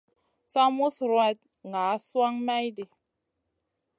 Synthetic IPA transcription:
sa˦mu˦sɾwa˨t̚ | ŋɡa˨˦swa˦ŋma˦jdi˨

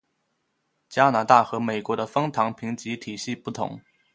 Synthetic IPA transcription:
t͡ɕja˥na˧˥t̪a˥˩xɤ˧˥me˨˩ɪkwɔ˧˥d̪ə˧fɤ˥ŋt̪ʰɑ˧˥ŋpʰi˧˥ŋt͡ɕi˧˥t̪ʰi˨˩ɕi˥˧pu˥˩t̪ʰʊ̰˧˥ŋ

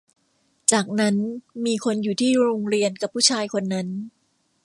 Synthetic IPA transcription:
t͡ɕaː˨˩k̚na˦˥nmiː˧kʰo˧njuː˨˩t̪ʰiː˥˩ɾoː˧ŋɾi˧ənka˨˩pʰːuː˥˩t͡ɕʰaː˧jkʰo˧nːa˦˥n

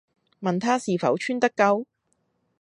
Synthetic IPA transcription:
mɐ˨nt̪ʰaː˥siː˨fɐ̰˨˥wt͡ʃʰyː˥nt̪ɐ˥kːɐ˥w

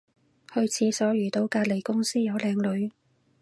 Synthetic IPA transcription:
hɵ˧ɥt͡sʰiː˨˥sɔː˨˥ɥyː˨˩t̪o˧wkaː˧t̚le˨˩jkʊ˥ŋsiː˥jɐ˨˧wlɛː˨˧ŋlɵ˨˧ɥ

